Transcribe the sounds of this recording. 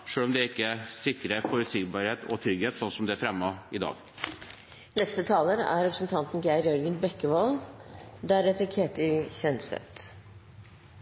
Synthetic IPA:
ʂøːɭɔmd̪ɛæɾɪkːəsɪkːɾəfɔɾʉt̪sɪɡbɑːɾheːt̪ʰɔ̰t̪ʰɾʏɡheːt̪sɔnːsɔmd̪ɛæfɾɛmːɑɪd̪ɑ̰ːɡ | nɛst̪ət̪ʰɑːləɾæ̰ɾɛpɾəsən̩t̪ʰɑnt̪n̩ɡæɪɾjɔɾɡənbɛkːəʋoːld̪æɾɛt̪əkʰeːt̪ɪçɛnsɛ̰t̪

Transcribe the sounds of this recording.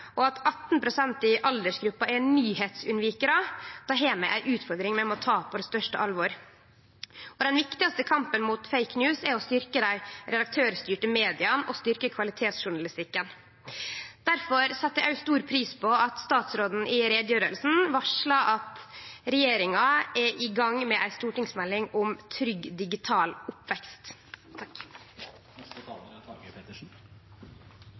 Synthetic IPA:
ʔɔɑt̪ɑt̪n̩pʰɾʊsɛnt̪ɪʔɑld̪əʂɡɾʉpːɑɛnyːheːt̪sʉnʋiːkəɾɑd̪̥ɑɦeːmə̰ʔæ̰ɾʔʉːt̪fɔɾd̪ɾɪŋmɛmɔɔt̪ʰɑːpʰɔd̪ɛst̪œʂʈəʔɑlʋɔɾ | ɔd̪ɛnʋɪkt̪ɪɡɑst̪əkʰɑmpənmuːt̪feɪknjʉːsɛɾɔst̪ʏɾkəd̪æɪɾɛd̪ɑk̚t̪ʰøːɾst̪yːʈəmeːd̪ɪɑnɔst̪ʏɾkəkʰʋɑlɪt̪ʰeːt̪sʃʊɳɑlɪst̪ɪkːən | d̪̥æɾfɔɾsɑt̪ːəʔæɪst̪uːɾpʰɾiːspʰɔɑt̪st̪ɑːt̪sɾoːd̪n̩ʔɪɾeːd̪jøːɾəlsn̩ʋɑʂlɑʔɑt̪ɾɛjeːɾɪŋɑɛʔɪɡɑŋmɛʔæɪst̪uːʈɪŋsmɛlːɪŋʊmt̪ʰɾʏɡd̪ɪɡɪt̪ʰɑːlʊpʋɛkst̪

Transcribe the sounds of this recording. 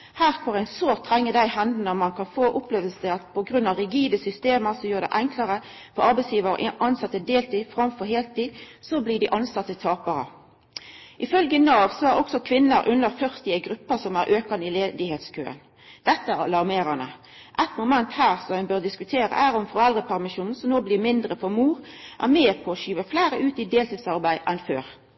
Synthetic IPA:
hæːʁfɔʁæɪnsoːʁt̪ʰːʁɛŋːəd̪æɪhænd̪nəmɑnkʰɑnfoːʔʊpleːʋəlsəɑt̪̚pʰɔɡɾʉnɑʁɪɡiːd̪əsʏst̪eːməʁsɔjøːd̪ɛ̰ɪʔæŋklɑʁə | fɔʁɑɾbɛɪsjiːʋəɾə̰ʔʔɑnsɑt̪ːəd̪eːlt̪ʰiːfʁɑmfɔɾɦeːlt̪iːd̪sɔbliːd̪ɪʔɑnsɑt̪ːət̪ʰɑːpɑɾə̰ | ʔɪfœlɡənɑːʋsɔæɾɔksɔkʰʋɪnːəɾʔʉnːəɾfœʁt̪ɪæɡɾʉpːəsɔmæɾʔøːkɑnɪleːd̪ɪheːt̪skʰø̰ːə̰n | d̪̥ɛt̪ːəæɾɑ̰lɑʁmeːɾɑnə | ʔɛt̪mʊmɛnt̪hæːʁsɔænbøːɾd̪ɪskʉt̪ʰeːɾə̰ʔæʁɔmfɔɾɛld̪ʁəpʰæʁmɪʃuːn̩sɔmnoːblɪmɪnd̪ʁəfɔɾmuːɾʔæ̰ʁmeːpʰɔːʃyːʋəflæɪɾəʔʉːt̪ɪd̪eːlt̪iːd̪sɑʁbæɪʔɛnføːʁ

